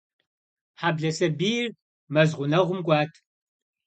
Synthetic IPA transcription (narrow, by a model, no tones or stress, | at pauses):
ħabɮɐsɐbiːr | mɐzʁʷʊnɐʁʷʊmɡʷʼɑːtʰ